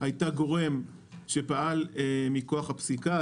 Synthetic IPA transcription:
ajtaɡo̞ʁe̞m | ʃepaʔalmiko̞aχhapsika

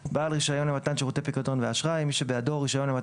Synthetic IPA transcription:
balʁiʃajo̞nemat̪anʃeʁot̪epikado̞nveaʃʁajmiʃebeado̞ʁːiʃajo̞nema

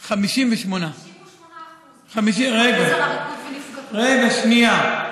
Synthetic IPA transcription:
χamiʃimveʃmona | χamiʃiʁeɡa | ʁeɡaʃnia

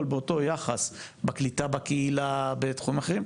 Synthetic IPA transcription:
lbeoto̞jaχas | baklit̪abakeilabetχuimaχeim

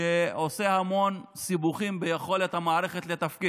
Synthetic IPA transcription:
eo̞se̞hamo̞nsibuχimbejeχo̞le̞t̪hamaːɾeχe̞t̪let̪afki

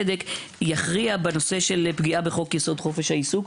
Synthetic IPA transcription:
edek | jaχʁiabeno̞se̞ʃe̞lpɡiʔabeχo̞kjeso̞d̪χo̞fe̞ʃhaisuk

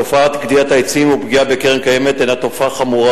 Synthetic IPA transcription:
ofaat̪ɡd̪iat̪aet͡simubɡiabe̞ke̞ʁemkaje̞me̞t̪enat̪o̞faχamuʁa

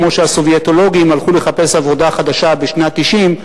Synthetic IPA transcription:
mo̞ʃeaso̞vjet̪o̞lo̞ɡimalχule̞χape̞savo̞d̪aχad̪aʃabeʃnat̪iʃim

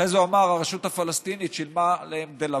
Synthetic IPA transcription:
ezuamaʁaʁeʃut̪afalast̪init̪ʃelmaleemd̪ela

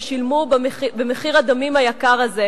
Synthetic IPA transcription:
ʃilmubχibemeχiʁad̪amimajakaʁaze

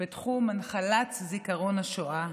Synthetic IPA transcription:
itχumanχalatzikaʁo̞naʃoʔa

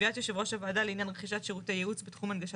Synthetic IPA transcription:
iat̪joʃevʁo̞ʃavaːdaleinjanʁeχiʃat̪ʃeʁutejeut͡sbetχumanɡaʃa

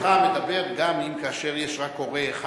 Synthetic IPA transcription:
amed̪abe̞ʁɡamimkaːʃeʁjeʃʁakoʁeːχ

